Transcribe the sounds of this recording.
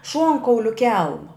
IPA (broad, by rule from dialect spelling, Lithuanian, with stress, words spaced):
ˈʃuɔŋkɐʊlʲʊ ˈkʲɛlˠmɐ